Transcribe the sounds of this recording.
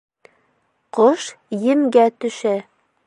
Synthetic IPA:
qoʃjɘ̆mɡæt̪ɵ̆ʃæ

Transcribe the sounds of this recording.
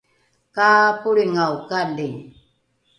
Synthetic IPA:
kaːpuɾiŋawkandɪŋ

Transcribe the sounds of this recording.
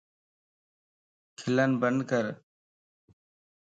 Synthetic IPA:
kʰɪlənbənd̪kəɾ

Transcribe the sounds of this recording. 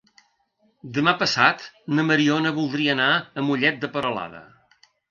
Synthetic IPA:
d̪əmapəsat̪nəməɾionəβulˠd̪ɾiəːnaəmuʎɛt̪̚d̪əpəɾəla̰ðə̰

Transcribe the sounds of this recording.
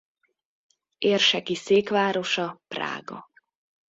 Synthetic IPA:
eːrʃɛkiseːkʋaːɾo̞ʃɒpra̰ːɡɒ̰

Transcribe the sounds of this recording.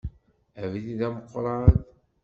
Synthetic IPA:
ævliðæməqʷːɾˤɑð

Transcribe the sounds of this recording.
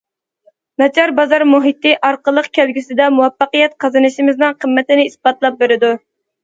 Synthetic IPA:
mɛt͡ʃʰɑɾbɑzɑɾmuɦit̪ːɪʔɑɾqəlˠːəqkʲʰælɡʲysɪd̪ɛmuwɛpːɑqəjɛt̪̚qʰɑzɨnɨʃimɪznɨŋqʰəmːɛt̪ɪnɪisbɑt̪lˠɑp̚beɾɪd̪u

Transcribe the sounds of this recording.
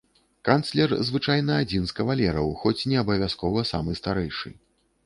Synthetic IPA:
kant̪slʲɛrzvɨt͡ʂajnɐad͡zʲinskɐvalʲɛɾɐwxɔt͡sʲnʲɛɐbɐvʲaskɔvɐsa̰mɨst̪aɾɛjʂɨ̰

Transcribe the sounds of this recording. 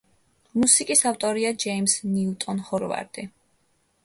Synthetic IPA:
musikʼisaft̪ʼɔɾiad͡ʒɛimsniut̪ʼɔnχɔɾva̰ɾd̪ʼi

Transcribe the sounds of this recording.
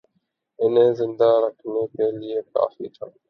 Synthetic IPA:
ɪnẽːzɪnd̪aɾəkʰmeːpeːlieka̰ːfiːt̪ʰãː

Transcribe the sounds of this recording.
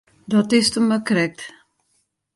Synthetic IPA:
dɔtɪstəməkrɛk̚t

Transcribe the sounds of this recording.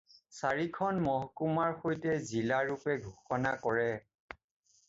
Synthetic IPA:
saɹikʰɔnmɔɦɔkumaɹxojtɛzilaɹupɛɡʱuxɔnakɔɹɛ

